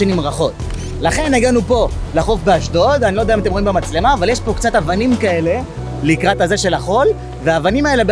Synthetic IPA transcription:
enimʁaχo̞t̪ | laχe̞neɡanupo̞ | laχo̞fbeaʃdo̞d̪anilodeaimat̬emʁ̞imbemat͡sle̞maːvaljeʃpo̞kt͡satavanimkae̞le̞ | likʁatazeʃe̞laχo̞l | veaːvanimaelebe

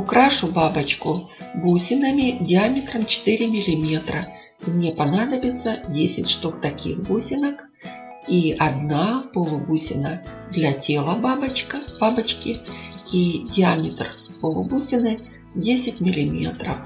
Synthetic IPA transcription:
ʊkɾaʂʊbabət͡ɕkʊbusʲɪnəmʲɪdʲɪamʲɪt̪ɾəmt͡ɕɪ̥t̪ɨɾʲɪmʲɪlʲɪmʲe̞t̪ɾə | imnʲepɐnad̪əbʲɪt̪sədʲesʲɪ̰tʲʂt̪uk̚t̪ɐkʲḭxbusʲɪnək | iɐd̪napolˠʊbusʲɪ̰nəd̪lʲɐtʲe̞lˠəbabət͡ɕkəb̥abət͡ɕkʲɪidʲɪamʲɪt̪rpolˠʊbusʲɪnɨ | dʲesʲɪt̚ʲmʲɪlʲɪmʲḛt̪ɾə̰f

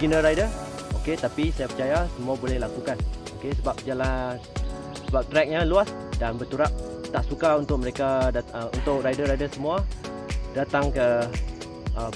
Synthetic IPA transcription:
ɡinəɾajdəoket̪apisajapət͡ʃajasəmuabolɛhlakukanokesəbap̚d͡ʒala | səbap̚t̪ɾɛk̚ɲaluas | danbərt̪uɾap̚t̪aʔsukaunt̪ʊk̚məɾekadaṵnt̪ʊʔ̚rajdəɾajdəsəmua | dat̪aŋkə | ʔə

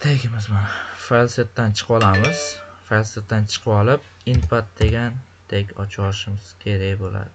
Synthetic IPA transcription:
t̪ʰeɡʲɪmɪzmanfalˠsat̪ːant͡ʃʰɨ̥qʰɒlˠamɪz̥falˠsat̪ːant͡ʃʰɨ̥qʰɒlɪp̚ | ɪnpʰat̪̚d̪e̞ɡʲan | t̪ʰekʲɒt͡ʃʰɒlɪʃɪmɪz̥kʲʰe̞ɾakʲbola̰d̪ɪ

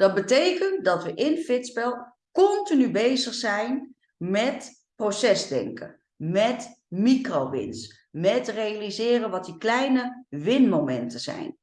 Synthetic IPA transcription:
d̥ɔt̚bətejkənt̚dɔtʋəʔɪnfɪtspɛlˠ | kɔntinybejzəxsɛjn | mɛt | prosɛzdɛ̰ŋkʰə̰ | mɛt | mikrowʋɪ̰ns | mɛtrejalizɪːrənʋɔtiklɛjnəʋɪnmomɛntʰəz̥ɛ̰jn

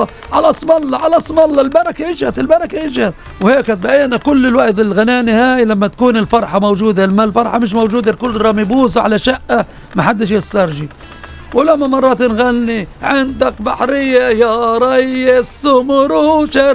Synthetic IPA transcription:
ʕalasˤmɑlːɑʕalasˤmɑlːɑlbɑɾˤɑkaʔɪd͡ʒhat̪ɪlbɑɾˤɑkaʔɪd͡ʒhat̪ | wheːkhat̪̚baʔiːʔnakʊlːɪlwaʔt̪ɪlɣanaːnihaːjlamːat̪ḁkuːnɪlfɑɾˤħɑmowd͡ʒuːd̪almːalfɑɾˤħɑmɪʃ̬mowʒuːd̪akʊlːɾˤɑmibuːzʕa̰laʃaʔːa | maħad̪ːɪʃ̬jɪsˤːɑɾˤʒi | wɪlamːamɑrˤːɑːt̪nɣanːiʕɪnd̪akbaħɾɪjːajɑɾˤɑjːasːʊmʊɾuʃa

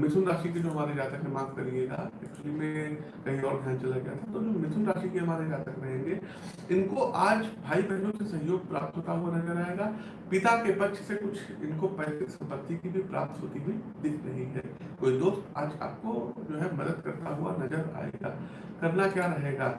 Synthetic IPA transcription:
mɪt̪ʰʊnɾaːʃik̬id͡ʒoːɦɐmaːɾed͡ʒaːt̪əkmẽmãːŋkɐɾieːɡa̰ːɪsʈlimẽ | kɐɦĩɔːɾd̪ʱjãːnt͡ʃɐlaɡɐja̰t̪ʰat̪od͡ʒoːmɪt̪ʰunɾaːʃikeɦɐmaːɾed͡ʒaːt̪əkɾɐɦẽːŋɡeː | ɪnkoʔaːd͡ʒbʱaːibɐɦlõsesɐ̃ɦjoːɡ̚pɾa̰ːp̚t̪ɦoːt̪aɦuanɐzəɾaːeɡaː | pɪt̪akebɐtːʃsekʊt͡ʃʰɪnkopɛːsɪksɐ̃mpət̪ːikibʱipɾa̰ːp̚t̪ʰɦoːt̪iɦuid̪ɪkʰɾɐɦĩɦɛ̰ːkoːid̪oːst̪a̰ːd͡ʒa̰ːp̚kod͡ʒoːɦɛmɐd̪əd̪kɐɾt̪aɦʊa̰nɐzəɾa̰ːḛːɡa̰ː | kɐɾnakjaːɾɐɦeːɡaː

